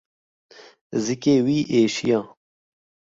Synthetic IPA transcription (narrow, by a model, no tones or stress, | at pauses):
zikeːwiːʔeːʃijɑː